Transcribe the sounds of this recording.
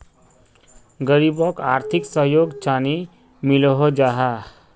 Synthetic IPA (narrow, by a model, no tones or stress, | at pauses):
ɡəɾibɔkaːɾt̪ʰiksəɦjoɡt͡ʃaːni | milɦod͡ʒaɦa